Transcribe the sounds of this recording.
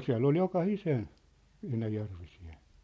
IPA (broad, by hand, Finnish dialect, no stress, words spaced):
siæ̝lː ol jokɑhisen enæjærʋisien̞